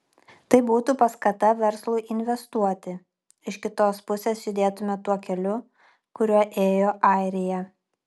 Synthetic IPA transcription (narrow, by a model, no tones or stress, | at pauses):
t̪ɐɪbuːt̪upɐskɐt̪ɐʋʲɛɾslˠʊɪʔɪnʲʋʲɛst̪uɔt̪ʲɪ | ɪʃkʲɪt̪oːspʊsʲeːsʒʲɪd̪ʲeːt̪ʊmʲɛt̪uɔkʲɛlʲʊ | kʊɾʲuɔʔeːjoːʔɐɪɾʲɪjɛ